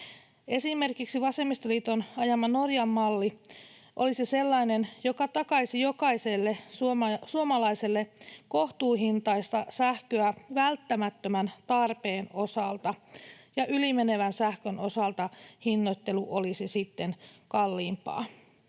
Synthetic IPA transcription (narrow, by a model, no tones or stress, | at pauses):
e̞sime̞rkiksiʋɑse̞mːˑist̪oliːt̪onɑjɑmːɑno̞rjɑmːɑlːi | ʔo̰lisise̞lːɑinenjo̞kɑt̪ɑkɑisijo̞kɑiselːesuɑsuomɑlɑiselːeko̞ht̪uːɦint̪ɑist̪ɑsæhkøæʋælt̪ːæmæt̪ːømænt̪ɑrpe̞ːno̞sɑlt̪ɑjɑʔylimene̞ʋænsæhkøno̞sɑlt̪ɑhinːot̪ːe̞luʔolisisit̪ːenkɑlːiːmpɑ̰ː